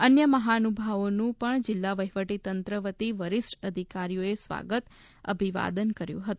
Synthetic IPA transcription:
ənjəməɦanubʱaʋonũpəɳd͡ʒɪlːaʋəɦʋəʈit̪ənt̪ɾəʋət̪iʋəɾisʈəd̪ʱikaɾijoesʋa̰ɡət̪ | ə̰bʱiʋa̰d̪ənkəɾjṵ̃ɦət̪ũ

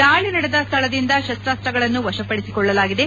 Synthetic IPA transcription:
d̪aːɭinɐɽed̪ɐst̪ʰɐɭɐd̪ind̪ɐʃɐst̪ɾaːst̪ɾɐɡɐɭɐnːuʋɐʃɐpɐɽesikɔɭːɐlaːɡid̪e̞

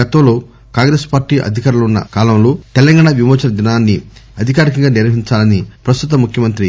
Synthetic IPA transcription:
ɡɐt̪ɐmlo̞ː | kaːŋɡɾe̞ːspaːɾʈːiːʔɐ̰d̪ʱikaːɾulɐunːɐ̰kaːlɐmlo̞ːt̪elɐŋɡaːɳaʋimɔːt͡ʃɐnɐd̪inaːnːiɐd̪ʱikaːɾikɐŋɡaːniɾʋɐɦiɲt͡ʃaːlɐnipɾɐst̪ut̪̬ɐmːukʰjɐmɐnt̪ɾi

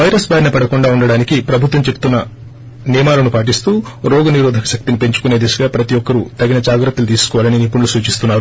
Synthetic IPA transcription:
ʋɐjɾɐsbaːɾinɐpɐɽɐkuɳɖaːuɳɖɐɽaːnikipɾɐbʱut̪ʋɐmt͡ʃepu̥t̪unːɐ | niːmaːlɐnupaːʈ̬ist̪uːɾoːɡɐniɾɔːd̪ʱɐkɐ̥ʃɐk̚t̪inipe̞ɲt͡ʃukune̞ːd̪isɐɡaːpɾɐt̪ijɔkːɐɾut̪ɐɡinɐd͡ʒaːɡɾɐt̪ːɐlut̪̬iːsu̥kɔʋaːlɐninipːunulusuːt͡ʃist̪unːaːɾu

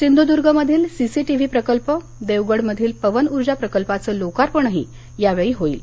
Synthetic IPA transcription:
sind̪ʱud̪uɾɡʱəməd̪ʱiːlsisiʈiʋ̤iːpɾəkəlpə | d̪eʋɡəɽməd̪ʱiːlpəʋənuɾd͡ʑapɾəkəlpat͡səːlokaɾpəɳəɦḭ | jaʋeɭiːɦoḭːl

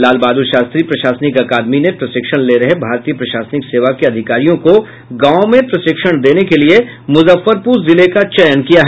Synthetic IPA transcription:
laːlbaːd̪uʃaːst̪ɾipɾɐʃaːsnɪkɐkaːd̪minepɾɐsɪkʃəɽ̃leːɾɐɦebʱaːɾt̪iːəpɾɐʃaːsnɪkseːʋakiɐd̪ʱɪkaːɾijõko | ɡãːõmẽpɾɐʃɪkʃəɽ̃d̪eːnekelie | mʊzəfːəɾpuːɾzɪlekat͡ʃɛjənkijaɦɛ

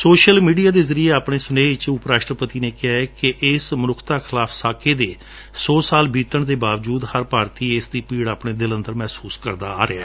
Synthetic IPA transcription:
soːʃəlmiːɖijaːd̪eːzəɾieːaːpɳeːsʊneːɪt͡ʃʊpɾaːʃʈɾəpət̪iːneːkɪɦaːɛːkɪʔɪsmənʊkʰt̪aːkʰɪlaːpʰsaːkʰeːd̪eː | sɔːsaːlbiːt̪əɳt̪eːbaːʋd͡ʒuːd̪həɾpaːɾt̪iːɪsd̪iːpiːɽaːpɳeːd̪ɪlənd̪əɾmɛːsuːskəɾd̪a̰ːa̰ːɾɪaː

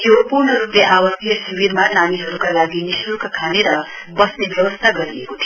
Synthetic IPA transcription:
t̪eopuɾɳəɾupneʔaʋəsijəʃiʋiɾmãnaniɦəɾukalaɡiniʃɾukʰkʰaneɾa | bʌsnebjəʋəst̪ʰaɡəɾiekut̪ʰie

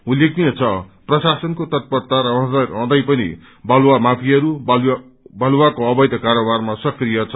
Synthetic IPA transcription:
ulːek̚d̪ijʌt͡sʰʌprʌsasʌnkot̪ʌt̪̚pʌrt̪aɾʌʌ̃d̪ʌʌ̃d̪ʌjpʌnḭ | bʱʌlwamapʰiʌɾub | bʱʌlwakoʌbʌjt̪ʌkaɾobarmasʌkrijʌt͡sʰʌ

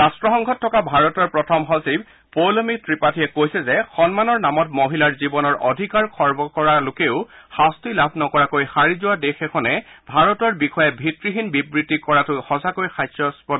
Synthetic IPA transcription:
ɹastɹɔxɔŋɡʱɔtʰːɔkabʱaɹɔtɔɹpɹɔtʰɔmɦɔsib̚ | polɔmitʰɹipatʰijɛkojsɛzɛxɔnmanɔɹnamɔtmoɦilaɹzibɔnɔɹʔɔdʱikaɹkʰɔɹbɔkɔɹalʊkeʊhastilabʱnɔkɔɹakojxaɹizʊwadexɛkʰɔnɛbʱaɹɔtɔɹbixʰɔjɛbʱitɹiɦinbibɹitːikɔɹatʊjxɔsakojxajsɔspɔ

